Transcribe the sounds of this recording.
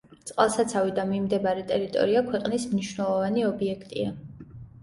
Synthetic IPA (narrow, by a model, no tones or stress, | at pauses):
t̪sʼqʼa̰lˠsat̪sʰavid̪amimd̪ɛbaɾɛt̪ʼɛɾit̪ʼɔ̰ɾiakʰwɛqʼnismniʃwnɛlˠɔvaniɔbiɛkʰt̪ʼḭa